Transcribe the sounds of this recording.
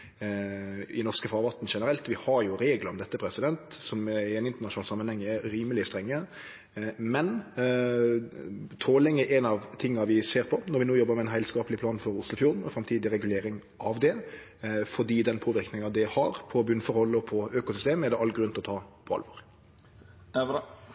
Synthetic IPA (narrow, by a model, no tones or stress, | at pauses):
ɪnɔʁskəfɑːʁʋɑt̪ːn̩ʂɛnəɾɛlt̪ʋɪhɑɾjʊɾeːɡləɾɔmd̪ɛt̪ːəpʰɾɛsɪd̪ɛnt̪sɔmɪɛnɪnt̪əɾnɑʃʊnɑːlsɑmːənhɛŋːəɛɾiːməlɪst̪ɾɛŋːə | mɛn | t̪ʰoːlɪŋəʔɛnɑʋt̪ʰɪŋːɑʋɪseːɾpʰɔnɔɾʋɪnoːjɔbːəmɛɛnɦæɪlskɑːpəlɪpʰlɑːnfɔɾʊslʊfjuːʁd̪n̩ɔfɾɑmt̪ʰiːd̪ɪɾɛɡʉleːɾɪŋ | ʔɑʋd̪ɛ | fɔd̪iːd̪ɛnpʰoːʋɪɾknɪŋɑd̪ɪhɑɾpʰɔbʉnfɔɾhɔlːɔpʰɔøːkʊsʏst̪eːməɛʁd̪ɛɑlt̪ɡɾʉnt̪lɔt̪ʰɑːpʰɔɑ̰lʋɔːɾ